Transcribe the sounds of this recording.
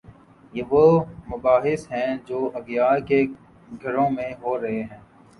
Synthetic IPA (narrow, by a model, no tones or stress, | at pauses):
jeːʋomʊbaːɦɪsɦɛ̃ːd͡ʒoːʔɐɡjaːke | ɡʱɐɾõmẽɦoːɾɐɦeɦɛ̃ː